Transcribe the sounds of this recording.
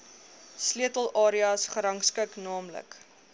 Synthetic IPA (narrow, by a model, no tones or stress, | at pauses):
sliətəlˠʔɑːɾiɑsχəɾɐŋskəknɑːmlə̰k